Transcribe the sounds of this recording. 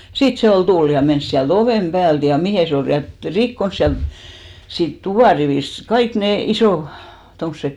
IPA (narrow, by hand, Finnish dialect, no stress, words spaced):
siˑt se ol tul jɑ mens siælt oʋeˑm pæːlt jɑ mihe se ol lyæn et rikːons siælt siːt tuʋɑˑriʋiˑst kɑik neˑ isoˑ tomsek